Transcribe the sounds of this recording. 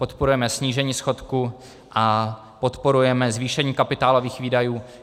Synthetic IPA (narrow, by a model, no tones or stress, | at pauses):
po̞t̪poɾujɛmɛsɲiːʒɛɲiːsxo̞t̪ku | ʔa | po̞t̪po̞ɾujɛmɛzviːʃɛɲiːkapɪt̪aːlo̞viːxviːdajuː